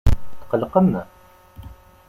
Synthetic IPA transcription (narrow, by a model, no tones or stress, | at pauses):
t̪qəlqəmə